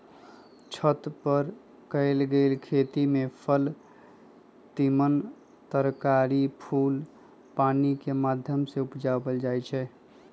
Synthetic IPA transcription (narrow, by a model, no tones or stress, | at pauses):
t͡ʃʰət̪pəɾ | kəɪlɡelkʰet̪imepʰəl | t̪imən | t̪əɾkaɾipʰul | panikemad̪ʱjəmseupd͡ʒabəld͡ʒajt͡ʃʰɛ